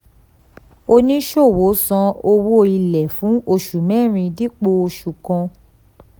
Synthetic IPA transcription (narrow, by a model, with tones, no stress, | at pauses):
o˧nĩ˦ʃo˦˨wo˨˦sɔ̃˧o˧wo˦˧i˧lɛ˨fũ˨˦o˧˨ʃu˨mɛ̃˦˨ɾ̃ĩ˧di˦k͡po˧o˧ʃu˨kɔ̃˧